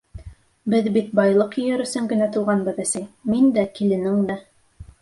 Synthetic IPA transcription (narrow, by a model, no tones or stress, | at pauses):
bɘðbit̪̚bɑjlˠɤqjɵ̆jɘɾɵ̆sɵŋɡɘ̆næt̪ulˠʁɑnbɤðæsæjmind̪ækilɘ̆nɘŋd̪æ